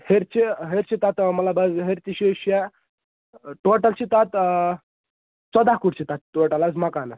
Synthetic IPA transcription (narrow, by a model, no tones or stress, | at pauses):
heɾt͡ɕiɦeɾt͡ɕit̪at̪məlabəsɦeɾt̪iɕeɕɛ | ʈoʈəlt͡ɕit̪at̪ | t͡səd̪akuʈt͡ɕit̪at̪̚ʈoʈəlat͡smakanə